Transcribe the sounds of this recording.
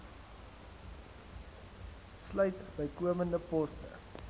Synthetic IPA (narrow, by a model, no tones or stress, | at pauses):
slœɥtbəjkuəməndəpɔstə̰